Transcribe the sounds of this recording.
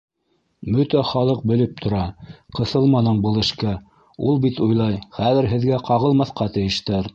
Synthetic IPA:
bɵt̪æχɑlˠɤq̚bɘ̆lɘp̚t̪ʰŏɾɑqɤ̆θɤlˠmɑnɤɴbɤlˠɘ̆ʃkæ | ulˠbit̪ujlˠɑjχæðɘ̆ɾɦɘ̆ðɡæqɑʁɤ̆lˠmɑθqɑt̪ɘ̆jɘ̆ʃt̪æɾ

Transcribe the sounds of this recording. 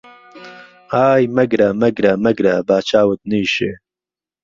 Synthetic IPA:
aːjmɐɡɾɐmɐɡɾɐmɐɡɾabaːt͡ʃaːwət̪̚niːʃeː

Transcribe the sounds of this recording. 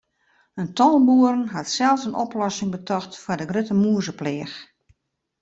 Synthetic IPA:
əntɔlˠbuəɾənɦatsɛlˠsənʔoplɔsɪŋbətʰɔxtfardəɡrøtəmuəzəplɪːəx

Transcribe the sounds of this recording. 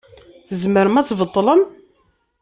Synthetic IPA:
θəzməɾmæt͡sːvət̪ˤːləm

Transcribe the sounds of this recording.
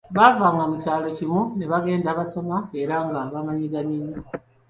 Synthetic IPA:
βavaŋɡamucaːlo̞cimuneβaɡe̞ːndaβaso̞mae̞ɾaŋɡaβamaɲiɡaɲinːa

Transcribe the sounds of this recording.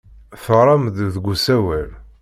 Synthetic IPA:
θəʁɾˤɑmððɡʷusæwæl

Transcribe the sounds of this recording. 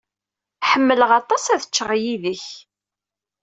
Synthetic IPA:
ħəmːələʁɑt̪ˤːɑsæðət͡ʃːəʁjiðəç

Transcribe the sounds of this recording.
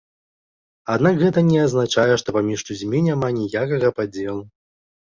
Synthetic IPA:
ad̪nakɣɛt̪ɐnʲɛɐznat͡ʂajɛʂt̪ɔpamʲiʂlʲud͡zʲmʲinʲamanʲijakɐɣɐpad͡zʲɛlˠu

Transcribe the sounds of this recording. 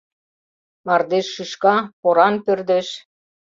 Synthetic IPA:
mɑrd̪eʃːyʃkɑpoɾɑnpørd̪eʃ

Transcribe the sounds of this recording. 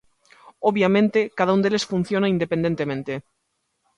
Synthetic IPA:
oβjamẽnt̪ekaðaũnd̪elesfun̟θjonaind̪epend̪ent̪emẽnt̪e

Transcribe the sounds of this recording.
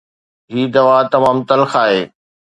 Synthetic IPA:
ɦiːd̪ɐʋat̪ɐmaːmt̪ɐlxaːɦeː

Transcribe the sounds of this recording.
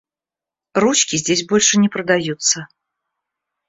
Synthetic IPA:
rut͡ɕkʲizʲd͡zʲesʲbolʲʂɨnʲɛpɾəd̪ajut̪sə

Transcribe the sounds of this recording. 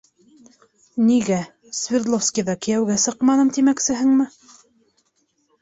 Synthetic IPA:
niɡæ | svʲɪrd̪lˠofskʲiðɑkɘ̆jæwɡæsɤqmɑnɤmt̪imæksɘ̆ɦɘŋmɘ

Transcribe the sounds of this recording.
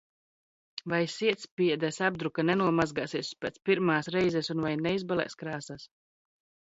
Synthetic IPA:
vajsʲiɛt̪spʲiɛd̪ɛsab̚d̪ɾukanɛnuɔmazɡaːsiɛsʲspʲɛːt̪sʲpʲiɾmaːsɾɛjzɛsunvajnɛizbalˠɛ̰skɾaːsas

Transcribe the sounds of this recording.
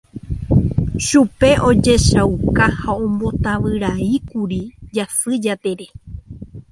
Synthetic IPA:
ʃupe̞ʔo̞d͡ʒe̞ʃawkahaõmbo̞t̪aʋɨɾaikuɾid͡ʒasɨd͡ʒat̪e̞ɾe̞

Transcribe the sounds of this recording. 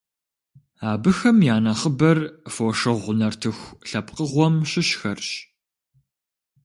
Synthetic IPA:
aːbɨxɐmjaːnaχəbɐrfoːʂɨʁʷʊnɐrtʰɨxʷɬɐpqəʁʷɔmɕɪɕxɐrɕ

